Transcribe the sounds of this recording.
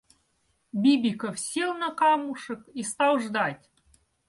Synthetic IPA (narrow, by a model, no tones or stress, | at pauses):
bʲibʲikofsʲilˠnə̆kɑmuʂɤ̆kist̪ɑwʐd̪ɑtʲ